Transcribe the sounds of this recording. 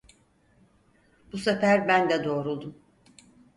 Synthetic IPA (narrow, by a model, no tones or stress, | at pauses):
b̥usɛfæɾbænd̪ɛd̪o̞ːɾulˠd̪um